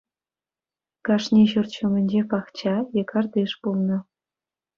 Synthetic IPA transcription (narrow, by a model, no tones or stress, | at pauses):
kɑʂnʲeɕurt̪ɕumʲɘ̆nʲd͡ʑepɑχt͡ɕɑjɤ̆kʰɑrd̪ʲeʂpulˠnɤ̆